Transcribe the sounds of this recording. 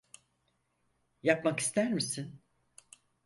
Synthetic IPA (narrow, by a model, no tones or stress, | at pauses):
japmaki̥st̪ʰæɾmisin